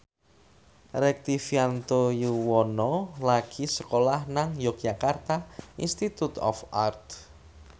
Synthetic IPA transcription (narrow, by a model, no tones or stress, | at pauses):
ɾɛk̚t̪ifiant̪ojuwɔnɔlaɡ̥isəkolahnaŋjɔk̚d͡ʒakart̪aḭnst̪it̪ut̪ɔ̰fart̪